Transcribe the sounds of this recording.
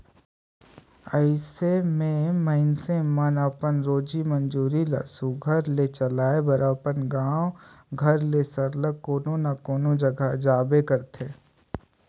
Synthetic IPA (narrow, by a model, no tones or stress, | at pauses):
əɪsemẽməɪnsemənəpənɾoːd͡ʒimə̃nd͡ʒuːɾilɐ̰suɡʱɐɾlet͡ʃəlaːebɐɾʔaːpənɡãːw | ɡʱɐɾlesəɾləkːoːnõnakoːnõd͡ʒɐɡad͡ʒaːbekəɾt̪ʰeː